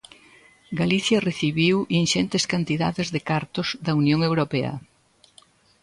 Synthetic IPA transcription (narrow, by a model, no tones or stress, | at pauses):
ɡaliθjɐreθiβiwinʃɛnt̪eskant̪iða̰ðɪzðekaɾt̪ʊzðɐunjoŋewɾopɛɐ̰